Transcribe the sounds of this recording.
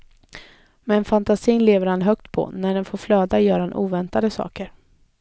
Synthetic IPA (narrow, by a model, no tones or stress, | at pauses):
mɛːnfant̪asiːnleːvəɾhanɦœkt̪pʰɔ̰næɖɛnfoːɾflœːd̪ajœːɾahanʔuːvɛnt̪ad̪əsɑ̰ːkəɾ